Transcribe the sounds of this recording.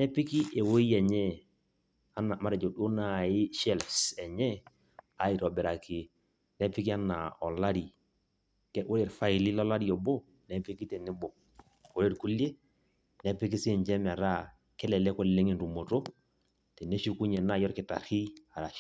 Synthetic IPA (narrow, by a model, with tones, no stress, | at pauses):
nɛ˦pɪ˦ki˦ʔe˨wo˦i˦ɛ˨ɲɛ˦ | a˦na˨ma˦ɾɛ˨d͡ʒo˨do˦na˦˨ɪ˦ʃɛ˦lfsɛ˨ɲɛ˦ | a˨ɪ˨ɾɔ˨bɛ˨ɾa˨kɪ˨ | nɛ˦pɪ˦ki˦a˦na̰˨ɔ˨la˦ɾi˨ | kɛ˦wo˦ɾe˨ɾfa˦i˨li˦lɔ˦la˦ɾi˦ɔ˨bo˦ | nɛ˦pi˦ki˦tɛ˨nɪ˦bɔ˨ | ko˦ɾe˦˨ɾku˦le˦ | nɛ˦pɪ˦k̬i˦se˦˨ɲd͡ʒɛ˦m˨a˨ɾa˦ | kɛ˦lɛ˨lɛ˦kɔ˦lle˦ŋɪ˨nɾu˨mo˨to˦ | tɛ˨ne˦ʃu˦ku˦ɲɛ˨na˦˨jɔ˦ɾkɪ˨ta̰˨ɾhi˦a˨ɾa˨